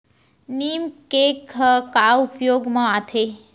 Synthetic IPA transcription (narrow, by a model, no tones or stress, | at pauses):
nimkekʰəkaupjoɡmãat̪ʰe